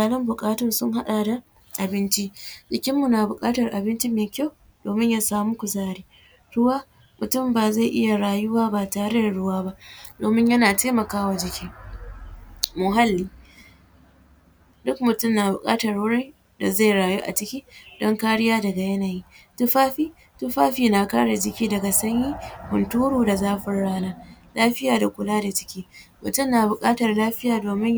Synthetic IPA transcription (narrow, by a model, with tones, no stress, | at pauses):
aː˨lɔ˦mbʊ˨kʼaː˦tɔ˨nsʊ˦ŋɦa˦ɗa˨da˨ | ʔa˨bɪ˦nt͡ʃi˦d͡ʒɪ˨kʲɪ˦mːu˨naː˨bʊ˨kʼaː˦tɐ˨rʔa˨bɪ˦nt͡ʃi˦meː˨kʲa˦w | doː˨mɪ˦ɲjaː˦saː˦mu˦kʷʊ˨zaː˦ɽiː˦ | ɽʊ˦waː˦ | mʊ˨tʊ˦˨mbaː˨za˦˨ʔɪ˦ja˨ɽaː˨jʊ˦waː˦baː˨taː˨ɽe˦da˨ɽʊ˦waː˦ba˦ʔdoː˨mɪ˦ɲjɐ˦naː˨teː˦mɐ˨kaː˦wa˨d͡ʒɪ˨kʲiː˦ | mʊ˨ɦa˦lːiː˦ | dʊ˦k̚mʊ˨tʊ˦˨mna˨bʊ˨kʼa̰ː˦tɐ˨rwʊ˦ɽɪ˦ | da˨za˦˨jɽaː˨juː˦ʔa̰˨t͡ʃɪ˦kʲiː˦dɔ˦ŋkaː˦ɽɪ˦jaː˦dɐ˨ɡa˨jɐ˦naː˨jiː˦tʊ˦ɸaː˦ɸiː˦ | tʊ˦ɸaː˦ɸiː˨na˨kaː˦ɽa˨d͡ʒɪ˦kʲiː˦dɐ˨ɡa˨sɐ˦ɲjiː˦hʊ˨ntuː˦ɽoː˨da˨zaː˦ɸɪ˦rɽaː˦naː˦laː˦ɸɪ˦jaː˨da˨kʷʊ˨laː˦da˨t͡ʃɪ̥˦kʲiː˦mʊ̰˨tʊ˦˨mnaː˨bʊ˨kʼaː˦tɐ˨rlaː˦ɸɪ˦jaː˨doː˨mɪ˦ɲ